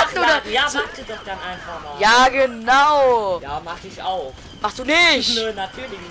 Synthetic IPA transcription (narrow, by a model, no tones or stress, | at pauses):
astoːdaaːaχsd̥udasd̥anʔaɪnfamaːjaːɡənaʊjaːmaχɪçaʊ | maχstd̥uːnɪçtnːnatʰyːɐlɪç